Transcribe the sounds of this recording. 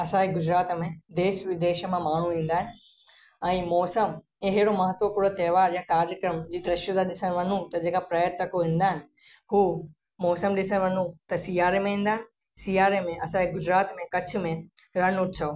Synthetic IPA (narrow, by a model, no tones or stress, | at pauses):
ɐsãeɡʊd͡ʑɾaːt̪mẽd̪eːʃʋɪd̪eːʃə̆mẽmaːɳ̤ũʋĩːn̆d̪aːɦɪ̃nɪ̆ | ɛ̃ːmɔːsəm | ĩɦɪɽomɐɦət̪ʋəpuːɾnt̪ɛːʋaːɾjakaːɾjəkɾəmd͡ʑiːd̪ɾɐʃjozaɗɪsənɪʋɐn̤ũt̪ɐd͡ʑeːkapɾaːjəɾʈ̪ɐkoʋĩːn̆d̪aːɦɪnɪ̆ | huː | mɔːsəmɗɪsənɪʋɐn̤ũt̪ɐsiːaːɾemẽɦĩːnd̪aːɦɪ̃nɪ̆ | siːaːɾemẽʔɐsãeɡʊd͡ʑɾaːt̪mẽkɐt͡ɕʰʊ̆mẽ | ɾɐnʊʈt͡ɕʰɐoː